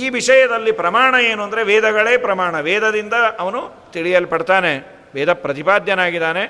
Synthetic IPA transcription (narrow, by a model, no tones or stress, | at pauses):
iːʋiʂɐjɐd̪ɐlːipɾɐmaːɳɐeːnuɐnd̪ɐɾe̞ʋɛːd̪ʱɐɡɐɭeːpɾɐmaːɳɐʋeːd̪ɐd̪ind̪ɐɐʋɐnu | t̪iɭijɐlːpɐɽt̪aːne̞ | ʋɛːd̪ʱɐpɾɐt̪ipaːd̪ʱjɐnaːɡid̪aːne̞